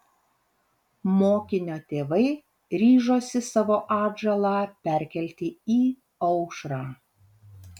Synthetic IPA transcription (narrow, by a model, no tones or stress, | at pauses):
moːkʲɪnʲoːt̪ʲeːʋɐɪ | ɾʲiːʒoːsʲɪsɑːʋoːʔɑːʒɐlˠɑːpʲɛɾʲkʲɛlʲt̪ʲɪiː | ɒʊʃɾɑː